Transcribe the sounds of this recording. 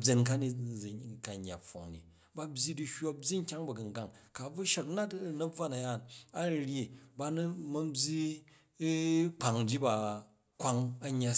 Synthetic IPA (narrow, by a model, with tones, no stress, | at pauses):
bʲe˨nka˦ni˨ka˨ɲː˨a̰˨pfo̰˨ŋnḭ˨ | ba˦bʲji˦di˦ho˦bʲji˦ŋ̩˦kʲa˦ŋbɐ˨ɡɐ˨ŋɡa˨ŋka˨b͡vu˦ʃɐ˨kna˦tnɐ˦b͡va˦na˨ja˦˨na˦˨ɾʲi˨ba˦nu˦mɐ˦bʲi˦ | k͡pa˨ŋd͡ʒi˦ba˨ | kʷa˦ŋɐ˦ɲːa˦